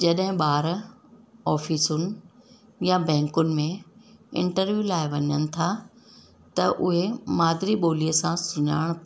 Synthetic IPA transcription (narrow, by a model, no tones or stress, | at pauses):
d͡ʑɐɗɦɪ̃ɓaːɾ | ɔːfiːsʊnɪ̆ | jabɛ̃ːŋkʊnɪ̆mẽɪ̰̃ɳʈəɾʋjulaːɪʋɐɲənɪ̆t̪ʰa | t̪ɐʔʊɦemaːd̪ɪɾiɓoːliəsãsʊɲa̰ːɪɽ̃